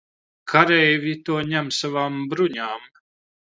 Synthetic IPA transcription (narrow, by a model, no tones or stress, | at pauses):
kʰaɾɛjvʲit̪uɔɲæmsavaːmbɾuɲaːm